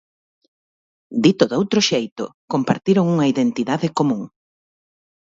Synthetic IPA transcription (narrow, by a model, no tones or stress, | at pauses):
d̪it̪oðowt̪ɾʊʃejt̪ʊ̰kompaɾt̪iɾoŋuŋɐiðent̪iðaðɪkomũŋ